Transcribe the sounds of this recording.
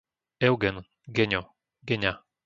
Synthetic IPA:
ɛwɡɛn | ɡɛɲʲɔ | ɡɛɲʲa

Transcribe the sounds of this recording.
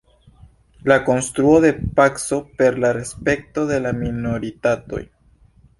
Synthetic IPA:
lako̞nst̪ɾuoðe̞pakso̞pe̞ɾlaɾe̞spe̞k̚to̞ðe̞lamino̞ɾitato̞̰j

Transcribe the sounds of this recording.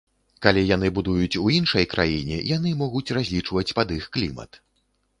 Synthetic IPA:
kalʲijanɨbud̪ujut͡sʲuinʂɐjkɾʔa̰jinʲɛ̰janɨmɔɣut͡sʲrazʲlʲit͡ʂvɐt͡sʲpɐd̪ixklʲimɐ̰t̪

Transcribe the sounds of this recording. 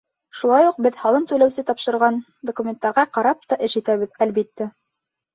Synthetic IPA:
ʃulˠɑjuq̚bɘðhɑlˠɤmt̪ɵ̆læwsɘt̪ɑpʃɤ̆ɾʁɑn | d̪okumʲent̪ːɑɾʁɑqɑɾɑp̚t̪ɑʔɘ̆ʃit̪æβɘ̆ðælbit̪ːæ

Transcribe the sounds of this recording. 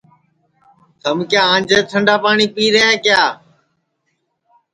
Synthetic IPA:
t̪əmkjaːãːɲd͡ʒeːt̪ʰəɳɖaːpaːɳiːpiːɾeːẽːkɪjaː

